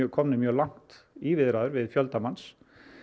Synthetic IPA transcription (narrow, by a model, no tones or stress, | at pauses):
kʰɔmnɪmjœːlaŋ̥t̪ivɪðɾaðʏɾvɪðfjœlt̪amans